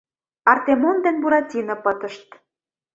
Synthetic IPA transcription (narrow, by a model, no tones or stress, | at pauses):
ɑrt̪emond̪enbuɾɑtʲinɤ̆pə̆t̪ə̆ʃt̪̚